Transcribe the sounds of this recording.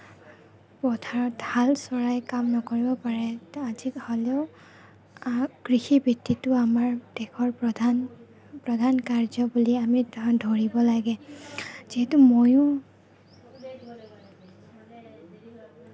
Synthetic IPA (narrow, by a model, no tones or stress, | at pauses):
pɔtʰaɹɔt̚balsɔɹajkamnɔkoɹibɔpaɹɛaziholeʊ | ɡ̥ɹixibʱitːitʊamaɹdɛkʰɔɹdan | pɹɔdʱankaɹzɔbuliamidʱoɹibɔlaɡɛ | z̥iɦɛtumojʊ̃